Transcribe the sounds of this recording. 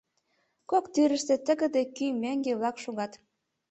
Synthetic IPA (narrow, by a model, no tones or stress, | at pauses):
kokt̪yɾə̆ʃt̪ĕt̪ə̆ɣə̆d̪ĕkymæŋɡeβlɑkʃuɣɑt̪